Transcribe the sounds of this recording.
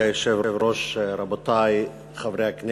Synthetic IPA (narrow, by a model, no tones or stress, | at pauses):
ajoʃevevɾoʃɾabot̪aj | χavɾeakn